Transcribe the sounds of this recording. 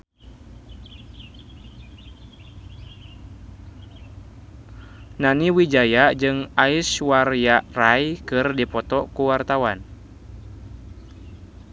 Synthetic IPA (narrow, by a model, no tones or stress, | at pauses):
naniwid͡ʒajaʔd͡ʒɨŋaiswarjaʔrajkɨrdipɔt̪ɔkuwart̪awan